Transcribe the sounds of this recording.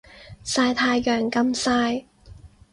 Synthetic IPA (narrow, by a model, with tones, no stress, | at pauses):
saː˧jt̪ʰaː˧jːœː˨˩ŋkɐ˧msaː˧j